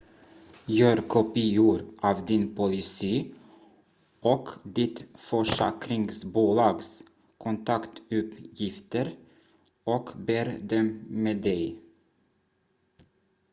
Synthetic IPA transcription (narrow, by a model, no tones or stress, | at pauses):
jøːɾkʰɔpiːʊɾʔɑːvd̪ɪnpʰʊlɪsiː | ʔɔkd̪ɪt̪fœʂɛ̰ːkɾɪŋsbuːlɑːɡs | kʰʊnt̪ʰɑkt̪ʉːpjɪft̪əɾ | ɔkbeːɾd̪ɛmmeːd̪ɛj